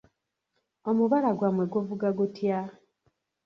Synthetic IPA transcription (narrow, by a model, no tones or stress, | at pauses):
omuβalaɡwamweɡovuɡaɡutja